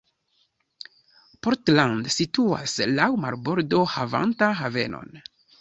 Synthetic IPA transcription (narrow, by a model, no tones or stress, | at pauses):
poɾtlandsitua̰slawma̰ɾbo̞ɾdohava̰ntaɦave̞̰no̞̰n